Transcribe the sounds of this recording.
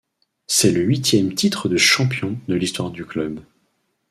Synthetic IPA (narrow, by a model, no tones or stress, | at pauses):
sɛləɥit̪jɛmt̪it̪χəd̪əʃɑ̃pjɔ̃d̪əlist̪waʁd̪yklœb